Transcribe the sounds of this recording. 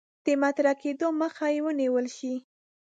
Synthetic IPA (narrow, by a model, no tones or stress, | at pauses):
d̪̥əmat̪ɾaked̪oməxajewəniwəlʃi